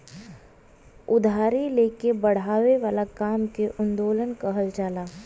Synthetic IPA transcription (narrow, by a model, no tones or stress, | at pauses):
ʊd̪ʱaːɾileːkebɐɽ̤aːʋeʋaːlakaːmkeʔʊnd̪oːlənkəɦəld͡ʒaːlaː